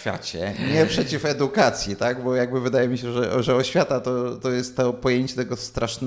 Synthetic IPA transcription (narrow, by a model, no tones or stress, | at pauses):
fʲja̰t͡ɕɛ̰ɲɛpʂɛt͡ɕifɛd̪ukat̪sʲjit̪aɡbɔjaɡbɘvɘd̪ajɛmʲiɕɛʐɛʐɛɔɕfʲjat̪at̪ɔt̪ɔjɛst̪ːɔpɔjeɲt͡ɕɛt̪ɛɡɔst̪ɾʔaʂnɛ